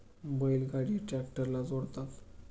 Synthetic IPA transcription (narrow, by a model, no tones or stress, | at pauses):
bəjlɡaɽiʈɾɛkʈəɾlad͡zoɽt̪at̪